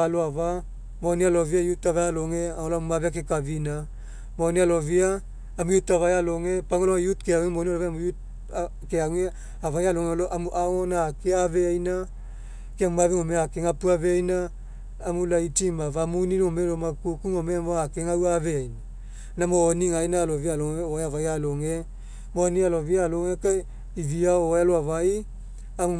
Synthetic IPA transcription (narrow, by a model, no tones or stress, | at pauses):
aloava | monialo̞viajutavajaloŋeaoloammaβeakekavina | monialoviaː | mujutaβajaloŋepaŋolojutkeaŋemonialoveamujut̚ | keaŋe | avajaloŋeloʔamuʔaŋonaːkeaveajna | keaŋmaβeŋomeakeŋapuavejnaː | mulaitimavamuniɾomeɾomakukuŋomemoakeŋauwaveajna | namoːniŋajnalovialoŋeoeavajaloŋe | monialovialoŋeka | iviaoealoavai | amu